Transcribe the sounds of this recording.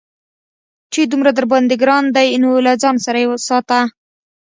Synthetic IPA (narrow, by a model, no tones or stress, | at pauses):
t͡ʃed̪umɾad̪əɾbɑnd̪ɪɡɾɑnd̪ajnolad͡ʒɑnsaɾajewəsɑt̪a